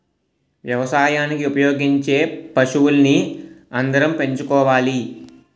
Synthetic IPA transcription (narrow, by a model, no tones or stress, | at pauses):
ʋjɐʋɐsaːjaːnikiupɐjo̞ːɡiɲt͡ʃe̞ːpɐʃuwulɐniɐnd̪ɐɾɐmpe̞ɲt͡ʃukɔːʋaːli